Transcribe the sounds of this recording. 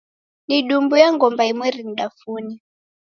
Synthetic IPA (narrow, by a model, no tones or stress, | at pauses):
niɗumbujaŋɡɔmbaimwɛɾin̩ɗafuni